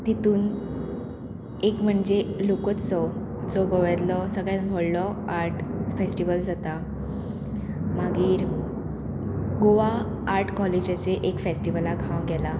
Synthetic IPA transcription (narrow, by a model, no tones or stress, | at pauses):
t̪et̪uːn | ekm̤əɳd͡zelokət͡s̪sɔ | t͡sɔɡɔʋət̪lɔsəɡɭamɔɭlɔaɾʈfesʈiʋəld͡zat̪a | maɡiːɾ | ɡoʋaː | ɾʈʰkɔled͡ʑat͡seʔekfesʈiʋəlaɡʱawɡɛla